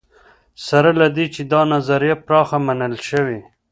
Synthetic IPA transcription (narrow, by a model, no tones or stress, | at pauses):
saɾalad̪it͡ʃed̪ɑnazaɾijapɾɑxamanəlʃəwi